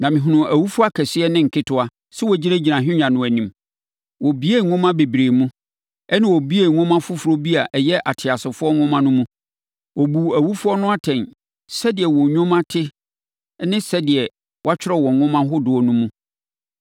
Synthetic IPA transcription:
nã˨mɪ̃˨ɦʊ̃˨nʊ̃˨ʔæ˨wu˦fʊ˦a˦kʰɛ˨sɪ˦ɛ˦nɪ̃˦ŋ̩˨kʰɪ˦tʰʊ˦a˨ | sɛ˦wɔ˨d͡ʑi˦ɾã˦d͡ʑi˨nã˨ɦᶣʊ̃˦ɲã˨nʊ̃˨æ˨nĩ˨m | wɔ˨bi˦e˦˨ŋʊ̃˦mã˦be˨bɾe˨mũ˦ | ɛ˦nɪ̃˦wɔ˨bi˦e˦˨ŋʊ̃˦mã˦fʊ˦fʊ˨ɾo˦bi˦a˨ʔɛ˨jɛ˦ʔa˨tʰɪ˨a˨sɪ˨fʊ˦ɔ˦ŋʊ̃˦mã˦nʊ̃˦mũ˦ | wɔ˨bu˨æ˨wu˦fʊ˦ɔ˦nʊ̃˦a˦tʰɛ̃˨n | sɛ˦dɪ˨ɛ˨wɔ̃˨ɲᶣʊ̃˦mã˦tʰɪ˦ | nɪ̃˦sɛ˦dɪ˨ɛ˨ | wa˦t͡ɕᶣɪ˦ɾɔ˦˨wɔ̃˨ŋ˦ŋʊ̃˦mã˦ɦʊ˦dʊ˨ɔ˨nũ˦mũ˦

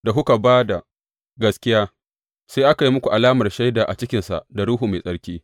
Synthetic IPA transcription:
da˨ɦʊ˦ka˨baː˦da˨ | ɡɐ˦skʲɪ˦jaː˦ | saː˦ʔa˦ka˨ji˦mʊ˦kʷu˨ʔa˨laː˦mɐ˨rʃa˦jdaː˨ʔa˨t͡ʃɪ˦kʲɪ˨nsa̰˨ʔda˨ɽuː˦ɦuː˨ma˨sʼɐ˦ɽkʲiː˦

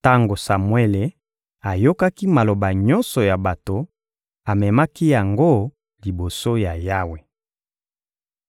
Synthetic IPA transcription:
ta˦ŋɡo˨sa˨mwe˦le˨ | a˨jo˦ka˦ki˦ma˨lo˨ba˨ɲɔ˦nsɔ˨ja˨ba˨to˨ | a˨mɛ˨ma˦ki˦ja˨ŋɡo˦ | li˨bo˨so˦ja˨ja˦we˨

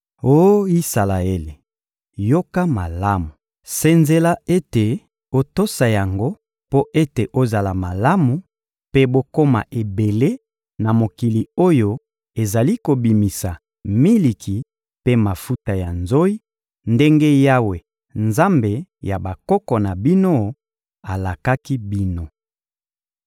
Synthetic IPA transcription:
o˦i˦sa˨la˨e˦le˨ | jo˦ka˦ma˨la˦mu˨ | se˦nze˦la˦e˦te˨ | o˦to˦sa˨ja˨ŋɡo˦ | po˦ʔe˦te˨ʔo˦za˨la˨ma˨la˦mu˨ | pe˦bo˦ko˦ma̰˨ʔe˨be˨le˦ | na˨mo˨ki˨li˨o˦jo˦ | e˨za˨li˦ko˨bi˨mi˨sa˨ | mi˦li˨ki˨ | pe˦ma˨fu˦ta˨ja˨nzo˦i˦ | nde˦ŋɡe˦ja˦we˨ | nza˦mbe˨ja˨ba˨kɔ˦kɔ˨na˨bi˦no˦ | a˨la˨ka˦ki˦bi˦no˦

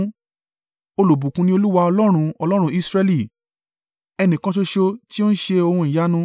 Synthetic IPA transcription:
o˧lo˨bũ˨kũ˧nĩ˦o˧lu˦wa˧ɔ˧lɔ˦ɾ̃ũ˧ɔ˧lɔ˦ɾ̃ũ˧˦i˦˧sɾɛ˧li˦˨ | ɛ˧nĩ˨kã˧˦ʃ̬o˧ʃo˧ti˦o˦n̩˦ʃe˧o˧hũ˧i˨ja˨˦nũ˧

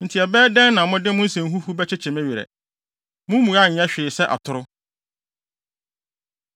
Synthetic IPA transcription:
n̩˨tʰi˨ɛ˨bɛː˦dɛ̃˦nːã˨mʊ̃˦dɪ˦mʊ̃˦n̩˦sɛ̃˨n˦ɦu˦hu˦bɛ˦t͡ɕʰɪ˦t͡ɕʰɪ̃˨mæ̃˦ɥi˨ɾɛ̰˨ | mʊ̃˦mũ˨a˦˨ɲ̩˨ɛ̃˦ɕᶣɪː˨sɛ˦ʔa̰˨tʰʊ˨ɾʊ˦

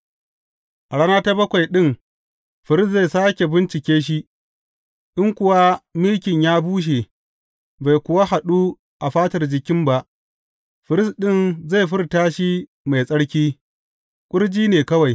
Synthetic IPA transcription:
ʔa˨ɽa˦naː˦ta˦bɐ˦kʷa˨jɗɪ˦ŋ | ɸɪ˨ɾɪ˦ze˦˨saː˦kʲe˨bɪ˦nt͡ʃɪ˨kʲeː˦ʃ̬i˦ | ʔɪ˦ŋkʷʊ˨wa˦mɪ˦lkʲɪ˨ɲjaː˦buː˦ʃ̬e˨ | ba˨jkʷʊ˨wa˦ha˨ɗu˦ | ʔa˨ɸaː˦tɐ˨rd͡ʒɪ˨kʲɪ˦mba˦ʔ | ɸɪ˨ɾɪ˦sɗɪ˦nza˦˨jɸɪ˦rtaː˦ʃi˦ | ma˨jsʼɐ˦ɽkʲiː˦ | kʷʼʊ˦ɽd͡ʒiː˦neː˨kɐ˦wa˨j

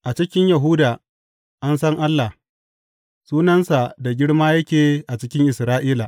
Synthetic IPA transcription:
ʔa˨t͡ʃɪ˦kʲɪ˦ɲjɐ˨ɦʊ˦daː˨ | ʔa˦nsɐ˦ŋʔa˦lːa˨ | suː˦nɐ˦nsa˨da˨ɡʲɪ˦ɽmaː˦jɐ˦kʲeː˨ʔa˨t͡ʃɪ˦kʲɪ˦ŋʔɪ˨sɾaː˦ʔiː˦la˨ʔ

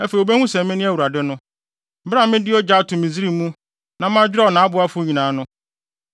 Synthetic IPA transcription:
ɛ˦fe˨i˨o˨be˦hũ˦sɛ̃˨m˦mɪ̃˦nɪ̃˦æ˦wu˨ɾa˨dɪ˦nʊ̃˦ | bã˦˨mɪ̃˦dɪ˦ɔ˦d͡ʑa˦tʰʊ̃˨mĩ˨zi˦ɾi˦˨mũ˦ | nã˨mã˦d͡ʑᶣɪ˦a˦˨nã˨˦a˦bʊ˨˦a˦fʊ˦ɲĩ˨nãː˨˦nʊ̃˦

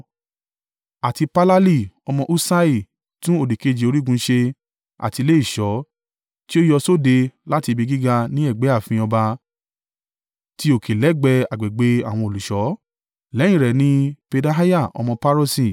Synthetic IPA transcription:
a˨ti˧pa˦la˦li˦˨ɔ˧mɔ̃˧ʔu˦sa˦i˦˨ | tũ˦o˦˨di˨ke˨˧d͡ʒi˨o˨˧ɾi˦ɡũ˧˦ʃe˧ | a̰˨ti˧le˦i˦˨ʃɔ˨˦ | ti˦o˦jɔ˧so˦de˧la˦ti˧bi˧ɡi˦ɡa˧nĩ˦ɛ˦˨ɡ͡be˨˦a˦˨fĩ˧ɔ˧ba˧ | ti˦o˨kʰe˨lɛ˨˦ɡ͡bɛ˧a˨ɡ͡be˨ɡ͡be˨˦a̰˦˨w̃ɔ̃˧o˨lu˨ʃɔ˨˦ | lɛ̃˨˦ĩ˨ɾɛ˨nĩ˦pe˧da˧ɦa˦ja˦˨ɔ̰˧mɔ̃˧pa˦ɾo˦si˨

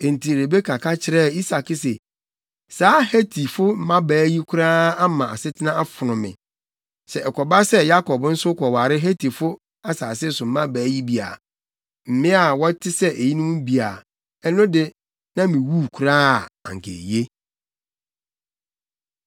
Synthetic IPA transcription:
e˨n̩˨tʰi˨e˨ɾe˨be˦kʰa˨kʰa˦t͡ɕʰɪ˨ɾɛ˦˨i˦sa˨kɪ˦sɛ˨ | saː˨˦hæ˦tʰi˨fʊ˦m̩˦mã˦bæː˨˦ji˦kʷʰʊ˦ɾaː˦a˦mã˨a˨sɪ˦tʰɪ˦nã˦a˦fʊ˨nʊ̃˨mɪ̰̃˨ | sɛ˨ʔɛ˨kʰɔ˨ba˦sɛ˦ja˦kʰɔ˨bn̩˦sʊ˦kʰɔ˨wa˨ɾɪ˦ɦæ˦tʰi˨fʊ˦ | a˦saː˨sɪ˦sʊ˨m̩˦mã˦bæː˨˦ji˦bi˨a̰˨ | m̩˨mɪ̃˦a˨wɔ˦tʰɪ˦sɛ˦ʔe˨ji˦nʊ̃˦mũ˦bi˨a˨ | ɛ˦nʊ̃˦dɪ˦ | nã˦mĩ˨wu˦kʰɾa˦˨ã̰˨ŋ̩˨kʰḛ˨je˦

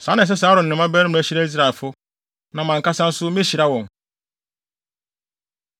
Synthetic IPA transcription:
sã˨˦nã˨s̬ɛ˦saː˨˦ɾʊ˨n̩˨nɪ̃˨mã˦bɛ˦ɾm̩̃˨æ˨˦ɕi˦ɾa˦i˦s̬ɾa˨ɛ˨lfʊ˦ | nã˨mã˨ŋ˨ka˦sã˦n̩˦sʊ˦mĩ˦ɕi˨ɾa˦wɔ̃˨n

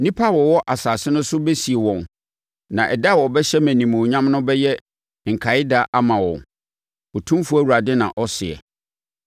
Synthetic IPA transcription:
nĩ˦pʰa˦wɔ˨wɔ˦ʔa˨saː˨sɪ˦nʊ̃˦sʊ˦be˦si˨e˨wɔ̃˨n | nã˨ʔɛ˨da˦˨wɔ˨bɛ˦ɕɛ˦mæ̃˨nĩ˨mʊ̃˨ɲã˦m˦nʊ̃˦bɛ˦jɛ˦ | ŋ̩˨kʰa˨ɪ˦da˨ʔa˦mã˨wɔ̰̃˨n | ɔ˨tʰũ˦mfu˦æ˦˨wu˨ɾa˨dɪ˦nã̰˨ʔɔ˦sɪ̰˨ɛ̰˨

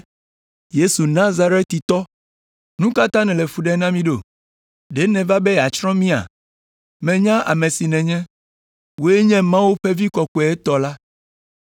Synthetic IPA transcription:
je˦su˨nã˦za˦ɾe˦t̪ːi˨t̪ɔ˦ | nũ˦ka˦t̪ã˦nɛ̃˨le˨fu˨ɖɛ˦nã˦mĩ˦ɖo˨ | ɖe˦nɛ̃˨va˦be˦˨a˨t͡ʃɾɔ̃˦mĩ˦a̰˨ | mɛ̃˨ɲã˦ʔa̰˨mẽ˨si˨nɛ̃˨ɲɛ̃˦ | wo˦e˦ɲɛ̃˦mã˦wu˦ɸe˦vi˦kɔ˨kɔ˨ɛ˦t̪ɔ˨la˦

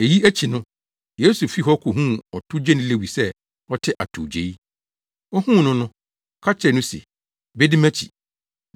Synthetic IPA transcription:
e˨ji˦æ˦t͡ɕʰi˨nʊ̃˦ | jeː˨˦su˨fi˦ɦɔ˦kʰʊ˨ɦũ˦ɔ˨tʰʊ˦d͡ʑɛ˦nʊ̃˦le˦˨wi˨sɛ˦ | ɔ˦tʰɪ˦ʔa̰˨tʰṵ˨d͡ʑe˨i˦ | ɔ˦hũ˦˨nʊ̃˦nʊ̃˦ | kʰa˦t͡ɕʰɛ˨nʊ̃˦sḭ˨ | be˦di˦mæ̃˦t͡ɕʰḭ˨

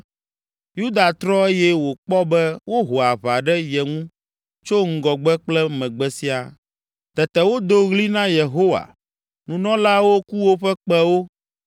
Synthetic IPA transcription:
ju˦d̪a˨t̪ɾɔ˦e˦jɛ˦wo˨k͡pɔ˦bɛ˦wo˦ɦo˨a˨βa˨ɖɛ˦jɛ˨ŋũ˦ | t͡ʃo˦ŋ̩˦ɡɔ˨ɡ͡bɛ˦k͡plɛ˦mɛ̃˨ɡ͡bɛ˨si˦a˨ | t̪ɛ˨t̪ɛ˨wo˦d̪o˦ɣli˦nã˦je˨ɦo˦wa̰˨ | nũ˨nɔ̃˦la˦wo˦ku˦wo˦ɸɛ˦k͡pɛ˦wo˦

